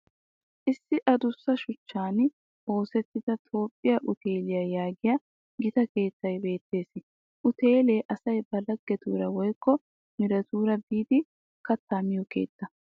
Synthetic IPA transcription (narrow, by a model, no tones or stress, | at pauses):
ʔɪsːɪʔɐd̪ʊsːɐʃʊt͡ʃːaːn | ʔo̞ːsɛt̪ːɪd̪ɐt̪ʰo̞ːpʼːɪjɐʔʊt̪ʰe̞ːlɪjɐjaːɡɪjɐ | ɡɪt̪ɐke̞ːt̪ːɐjbe̞ːt̪ːe̞ːs | ʔʊt̪eːleːʔɐsɐjbɐlɐɡːɛt̪ṵːɾɐwɔjkːɔ | mɪɾɐt̪uːɾɐbiːd̪ɪ | kɐt̪ːaːmɪjɔke̞̰ːt̪ːɐ